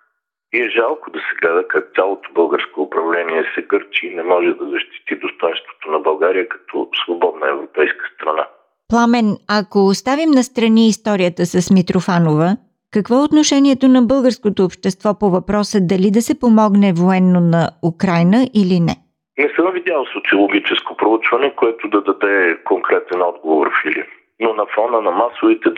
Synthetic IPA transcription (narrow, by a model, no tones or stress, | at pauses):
iɛʒalˠkod̪ɐsɛɡlɛd̪əkak̚t̪ʲalˠot̪o̥bɤlˠɡəɾskoːpɾɐvlɛniɛsɛɡɤɾt͡ʃinɛmɔʒɛd̪ɐzɐʃt̪i̥t̪id̪ost̪ɔjnst̪vo̥t̪onɐbɐlˠɡaɾijəkɐ̥t̪ʰɔ̰svobɔd̪nəɛvɾopɛjskə̥st̪ɾɐna̰ | plˠamɛnɐkost̪avimnɐst̪ɾɐniːst̪ɔɾijət̪əsɐsmit̪ɾofanovə | kɐkvɔot̪noʃɛniɛt̪onɐbɤlˠɡəɾskot̪oːpʃt̪ɛst̪vɔpovɐpɾɔsəd̪ɐlid̪ɐsɛpomɔɡnɛvoɛnːonɐukɾajnəʔilinɛ̰ | nɛsəmvid̪jalˠsot̪siolˠoɡʲit͡ʃɛskopɾout͡ʃvɐnɛkoɛt̪ʊd̪ɐd̪ɐd̪ɛkoŋkɾɛt̪ɛnɔd̪ɡovo̰ɾfili | nonɐfɔnənɐmasovit̪ɛ